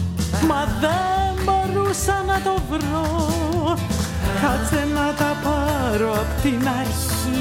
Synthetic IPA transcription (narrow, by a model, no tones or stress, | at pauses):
maðɛmaɾusanat̪ɔvɾo | kat͡sɛnat̪apʰaɾoapt̪ina | i